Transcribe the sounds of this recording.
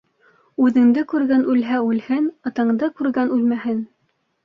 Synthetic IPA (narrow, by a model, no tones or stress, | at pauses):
ʉðɘ̆ŋd̪ɘkʉɾɡænʔʉlɦæʉlhɘnɤ̆t̪ɤ̆ɴd̪ɤkʉɾɡænʉlmæhɘn